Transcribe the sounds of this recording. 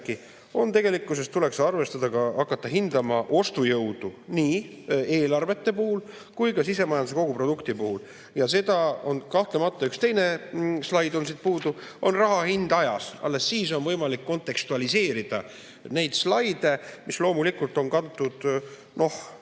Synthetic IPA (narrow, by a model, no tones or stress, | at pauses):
ki | o̞nt̪e̞ɡe̞likːˑusest̪ːule̞ksɑrve̞st̪ɑd̪̥ɑɡɑɑkːˑɑt̪ːɑɦind̪ɑmɑʔo̞st̪ujɤwd̪̥uniː | e̞ːlɑrve̞t̪ːe̞puhul | kujkɑsise̞mɑjɑnuse̞ko̞ɡupro̞d̪ukt̪ipuhul | jɑse̞d̪̥ɑo̞nkɑht̪lemɑt̪ːˑɑykst̪e̞jne̞slɑjd̪o̞nsit̪̚puːd̪uʔo̞nrɑɦɑhind̪̥ɑjɑsɑ̰lːe̞sːiːso̞nvɤ̞jmɑlikːo̞nt̪ˑe̞kst̪uɑlise̞ːɾid̪̥ɑ̰ | ne̞jd̪̥slɑjd̪̥e̞mislo̞ːmulikːult̪ːˑo̞nkɑut̪ːˑud̪̥ | no̞h